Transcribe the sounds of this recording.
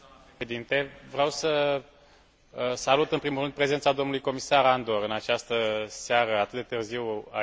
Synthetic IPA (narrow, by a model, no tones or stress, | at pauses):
ed̪int̪e̞vɾeawsə | salut̪ɨnpɾimulɾɨnd̪̚pɾe̞ze̞nt̪sad̪o̞mnulujko̞misaɾand̪oɾɨnat͡ʃast̪əseaɾəat̪ɨt̪d̪e̞t̪ɨrziwa̰